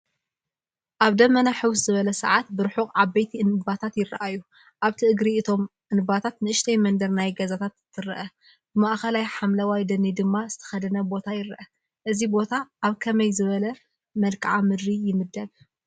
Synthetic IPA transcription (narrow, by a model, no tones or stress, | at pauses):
ʔaβd̪ɐmːɐnaħɨwszɨβɐlɐsɐ̰ʕat̪̚bɨɾħuqʼʕabɐjt̪ʰiɨnɨbat̪ʰat̪jɪɾɐ̰ʔajːu | ʔaβt̪ʰɨʔɨɡɾiɨt̪ʰo̞mʔɨnɨbat̪ʰat̪nɨʔɨʃt̪ʰɐjmɐnd̪ɐɾnajɡɐzat̪ʰat̪t̪ːɨɾɐʔɐ | b̥ɨmaʔxɐlajħamlɐwajd̪ɐnid̪ɨmːaz̥ɨt̪ʰɐ̥xɐd̪ɐnɐbo̞t̪ʰajɪɾɐʔɐ | ʔɨzibo̞t̪ʰaʔːβkʰɐmɐjzɨβɐlɐ | mɐlkʰʼʕamɨd̪ɾijɪmɨd̪ːɐb